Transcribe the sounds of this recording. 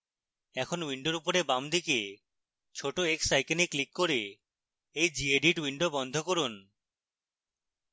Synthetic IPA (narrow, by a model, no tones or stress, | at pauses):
ɛkʰonwiɳɖoɾupoɾebamd̪ike | t͡ɕʰoʈoeksajkeniklikːoɾe | ejd͡ʑieɖiʈwiɳɖobɔnd̪ʱokoɾun